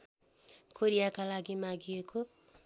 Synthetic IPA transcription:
kʰoɾjakalaɡimaɡiekʰo

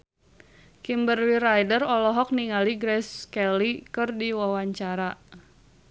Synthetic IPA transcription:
kimbərliɾajdərɔlɔɦɔk̚niŋaliɡɾɛskɛlikɨrdiwawaɲt͡ʃaɾa

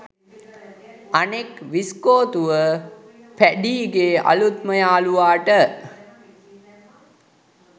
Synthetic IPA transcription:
anekʋiskoːt̪uʋə | pæɖiːɡeːa̰lut̪məjaːluʋaːʈə

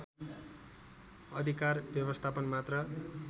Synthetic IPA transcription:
ʌd̪ʱikarbjʌbʌst̪ʰapʌnmat̪rʌ

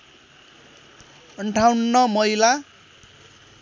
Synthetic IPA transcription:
ʌɳʈʰawnːʌmʌjla

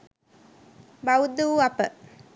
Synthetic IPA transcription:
baud̪uuapə

